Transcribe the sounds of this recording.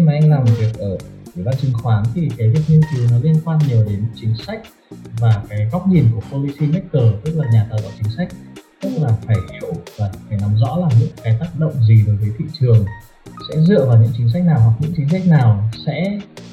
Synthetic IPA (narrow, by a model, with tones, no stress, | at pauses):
xi˧maː˨˩ʔa˧ŋ̟laː˨˩mo˨˩vi˨˩ək̚ʔəː˧˩ | ʔi˧˩˨ɓaː˧nt͡ɕɨ˨˩˦ŋxwaː˨˦nt̪ʰi˨˩kaː˨˦vi˨˩ək̚ɲi˧wt͡ɕɨ˨˩nɔ˨˦li˧ənkwaː˧nɲi˨˩əwɗe˨˦n˥t͡ɕï˨˦ŋ̟sa˦˥jk̟̚ | vaː˨˩kaː˨˦jɣɔ˦˥wk͡p̚ɲi˨˩nku˧˩əpo˧li˧si˧mɛ˦˥t̚kəː˧˩t̪ɨ˦˥k̚laː˨˩ɲaː˨˩t̪a̰ː˧˨wʔaː˧˩t͡ɕï˨˦ŋ̟sa˦˥jk̟̚t̪ɨ˦˥k̚laː˨˩faː˧˩jhɛ̰˧˨vaː˨˩faː˧˩jna˨˦mzɔ̰˧˥laː˨˩ɲɨ̰˧˥ŋkaː˨˦jt̪aː˦˥k̚ɗə̰˧˨wŋ͡mzi˨˩vəː˨˩jvəː˨˦jt̪ʰḭ˧˨t͡ɕɨ˨˩əŋ | sɛ̰˧˥zɨ̰˧˨əvaː˨˩wɲɨ̰˧˥ŋt͡ɕï̟˨˦s̬a˦˥jk̟̚naː˨˩wɦwa˨˩k̚ɲɨ̰˧˥ŋt͡ɕï̟˨˦sa˦˥jk̟̚naː˨˩wsɛ̰˧˥